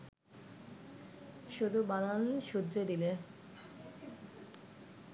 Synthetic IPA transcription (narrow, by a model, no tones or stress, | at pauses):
ʃud̪ʱubananʃud̪ɾed̪ile